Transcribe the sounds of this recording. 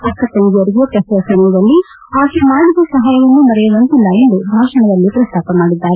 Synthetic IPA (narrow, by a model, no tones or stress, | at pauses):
ɐkːɐt̪ɐŋɡijɐɾiɡijɐpɐsɾɐsɐnɐɐd̪ɐlːi | aːkemaːɽid̪ɐsɐɦɐjɐʋɐnːumɐɾɛjɐʋɐnt̪ilːɐend̪ubʱaːʂɐɳɐd̪ɐlːipɾɐst̪ʰaːpɐmaːɽid̪ːaːɾe